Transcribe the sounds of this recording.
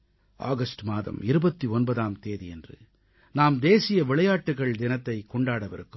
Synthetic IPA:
a̰ːɣɐsʈmaːðɐ̰mɪɾɯbɐt̪ːiɔnbɐðaːmt̪eːðiɛndrɯ̰ | naːmd̪eːsɪjɐʋɪɭɐjaːʈːɯɣɐɭd̪ɪnɐt̪ːɐɪkːɔɳɖaːɽɐʋɪɾɯkːɯm

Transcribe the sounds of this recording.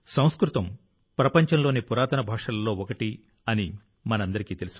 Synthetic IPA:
sɐ̃w̃skɾut̪ɐm | pɾɐpɐɲt͡ʃɐmlo̞ːnipuɾaːt̪ɐnɐbʱaːʂɐlɐlo̞ːɔkɐʈi | ɐni | mɐnɐɐnd̪ɐɾikiːt̪elusu

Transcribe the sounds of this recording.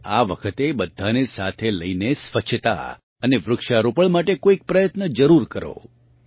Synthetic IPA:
a̰ʋəkʰət̪ebəd̪ʱːanesat̪ʰeləinesʋət͡ʃʰt̪a̰ | əneʋɾʊkʃaɾopəɭmaʈekoik̚pɾəjət̪nəd͡ʒəɾuɾkəɾo̰

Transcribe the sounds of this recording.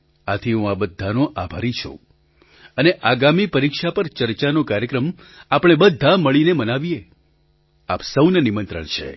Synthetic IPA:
at̪ʰiɦũabəd̪ʱːanoʔabʱa̰ɾit͡ʃʰṵ̃ | əneʔaɡamipəɾikʃapəɾt͡ʃəɾt͡ʃanokaɾjəkɾəm | apɽ̃ebəd̪ʱːaməɭinemənaʋije | apsəwnənimə̃nt̪ɾə̰ɳt͡ʃʰḛ

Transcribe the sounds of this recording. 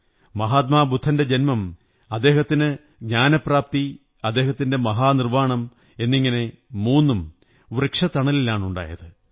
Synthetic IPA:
mɐɦaːt̪̚maːbud̪ʱːɐnde̞d͡ʑenmɐm | ɐd̪ːe̞ːɦɐt̪ːinɨ | ɡɲaːnɐpraːp̚t̪i | ɐd̪ːe̞ːɦɐt̪ːinde̞mɐɦaːnirʋaːɳɐm | e̞nːiŋːɐne̞muːnːum | urikʂɐt̪ɐɳɐlilaːɳuɳɖa̰ːjɐðɨ

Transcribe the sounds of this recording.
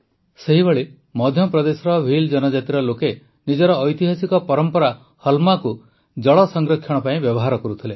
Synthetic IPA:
seɦibeɭi | mɔd̪ʱjɔpɾɔd̪esɔɾɔbʱild͡ʒɔnɔd͡ʒat̪iɾɔloke | nid͡ʒɔɾɔːjt̪iɦasikɔpɔɾɔmpɔɾa | hɔlmaku | d͡ʒɔɭɔsɔŋɡɾɔkʰːjɔɽ̃ɔpaĩbjɔbɔɦaɾɔkɔɾut̪ʰile

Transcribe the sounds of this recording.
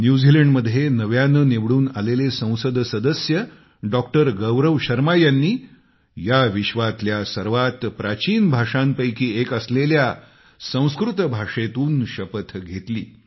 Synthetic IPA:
njud͡ziləɳɖməd̪ʱjenəʋjanəneʋɽuːna̰lelesə̃w̃səd̪ʱsəd̪əsjə | ɖɔkʈəɾɡəʋɾəʋɕəɾmajanːiː | jaʋiɕʋat̪ljasəɾʋat̪pɾat͡ɕiːnbʱaʂampəjkiːekəslelja | sə̃w̃skɾut̪bʱaʂet̪uːnɕəpət̪ʰɡʱet̪liː

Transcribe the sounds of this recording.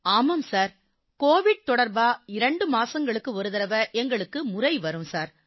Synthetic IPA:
aːmɐmsaːɾ | koːʋɪɽ̚t̪ɔɽɐɾbaːɪɾɐɳɖɯmaːsɐŋɡɐɭɯkːɯʋɐɾɯðɐɾɐʋɐʔɛŋɡɐɭɯkːɯmʊrɐɪʋɐɾɯmsaːɾ

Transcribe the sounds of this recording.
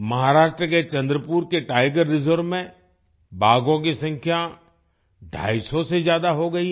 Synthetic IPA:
mɐɦaːɾaːʃʈɾəket͡ʃɐ̃nd̪ɾəpuːɾkeʈaːɪɡəɾːɪzəɾʋmẽ | bʱaːɡõk̬isɐ̃ŋkʰja | ɖʱa̰ːisɔsezjaːd̪aɦoɡɐi

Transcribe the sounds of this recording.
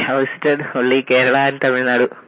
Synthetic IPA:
hɐwsʈːɐɖoɭːikeːɾɐɭant̪ɐmiɻnaːɽu

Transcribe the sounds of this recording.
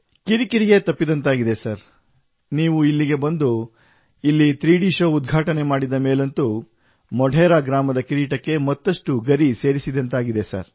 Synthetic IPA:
kiɾikiɾiɡe̞t̪ɐpːid̪ɐnt̪aːɡid̪e̞sɐɾ | niːʋuilːiɡe̞bɐnd̪u | ilːit̪ɾiːɽiːʃɐud̪̚ɡʱaːʈɐnemaːɽid̪ɐmeːlɐnt̪u | mɔɖʱeːɾaːɡɾaːmɐd̪ɐkiɾiːʈɐkːe̞mɐt̪ːɐʂʈuɡɐɾise̞ːɾisid̪ɐnt̪aːɡid̪e̞sɐ̰ɾ

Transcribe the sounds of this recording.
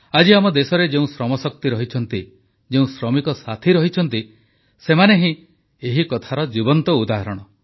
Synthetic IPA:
ad͡ʒiamɔd̪esɔɾed͡ʒeũsɾɔmɔsɔk̚t̪iɾɔɦit͡ʃʰɔnt̪i | d͡ʒeũsɾɔmikɔsat̪ʰiɾɔɦit͡ʃʰɔnt̪i | semaneɦĩ | eɦikɔt̪ʰaɾɔd͡ʒibɔnt̪ɔud̪aɦɔɾɔɽ̃ɔ

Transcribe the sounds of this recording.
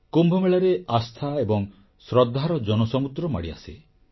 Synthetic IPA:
kumbʱɔmeɭaɾeast̪ʰaebɔŋ | sɾɔd̪ʱːaɾɔd͡ʒɔnɔsɔmud̪ɾɔma̰ɽia̰si

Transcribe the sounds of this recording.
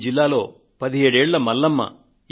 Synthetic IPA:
d͡ʒilːaːlo̞ː | pɐd̪iɦe̞ːɽeːɭːɐmɐlːɐmːɐ̰

